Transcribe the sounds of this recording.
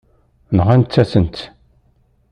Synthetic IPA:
nəʁænt̪ːæsənt̪

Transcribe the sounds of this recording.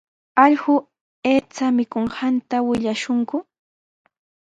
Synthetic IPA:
ɑʎɢʊ | eːt͡samɪkoɴhant̪awɪʎaʃʊŋkʊ

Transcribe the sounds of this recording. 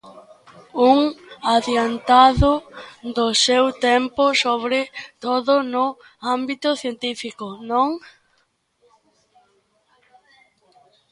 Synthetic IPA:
uŋaðjant̪aðʊd̪ʊsewt̪empʊsoβɾɪt̪oðʊnʊ | ambit̪ʊθjent̪ifikʊnõŋ

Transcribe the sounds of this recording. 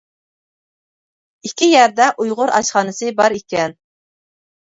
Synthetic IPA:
ikʲʰijæɾd̪ɛʔujʁʊɾɑ̰ʃχɑːnɨsɨbɑɾikʲʰɛn

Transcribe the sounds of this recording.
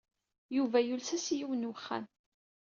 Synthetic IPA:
juvæjulsæsijiwnwəχːæ̰n

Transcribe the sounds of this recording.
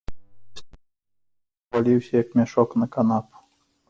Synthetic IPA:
pɔlʲiwɕɛjakmʲɛʃɔknakanap

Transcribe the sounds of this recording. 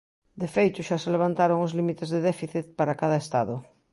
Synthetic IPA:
d̪efejt̪ʊʃaseleβ̞ant̪aɾoŋozlimit̪ezðeðɛfiθit̪̚paɾakaðɐest̪aðʊ

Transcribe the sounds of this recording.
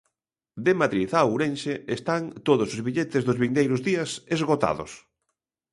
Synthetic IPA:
d̪ɪmaðɾiθauɾenʃeest̪ant̪oðʊsʊzβiʎet̪ɪzðʊzβind̪ejɾʊzðiɐsezɣot̪a̰ðʊ̰s

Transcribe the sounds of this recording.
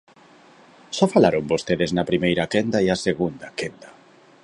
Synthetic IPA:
sɔfalaɾoŋbost̪eðeznɐpɾimejɾakend̪aiaseɣund̪ɐkend̪a

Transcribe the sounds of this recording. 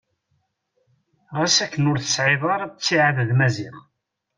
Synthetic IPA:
ʁæsækːənʊɾθə̥sʕɪðˤɑɾˤt͡sːiʕaððmæziʁ

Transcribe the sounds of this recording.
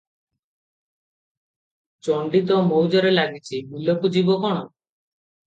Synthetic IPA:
t͡ʃɔɳɖit̪ɔmowd͡ʒɔɾelaɡit͡ʃʰimulɔkud͡ʒibɔkɔɽ̃ɔ

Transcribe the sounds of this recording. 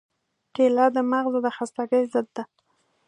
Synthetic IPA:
kelɑd̪əmaɣzod̪əxast̪aɡəjzəd̪ːa

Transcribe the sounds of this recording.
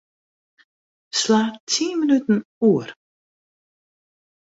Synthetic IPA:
slaːtʰiːmənytn̩uər

